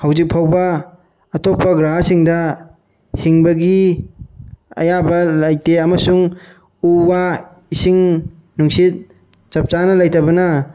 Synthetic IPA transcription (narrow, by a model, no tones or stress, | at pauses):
hawzik̚pʰawbɐː | tɔpːɐɡɾaɦasiŋdɐ | hiŋbɐɡi | ɐ̰jabɐlajteɐmɐsuŋ | uwa | isiŋ | nuŋsit̚ | t͡ʃɐp̚t͡ʃanɐlajtabɐnɐ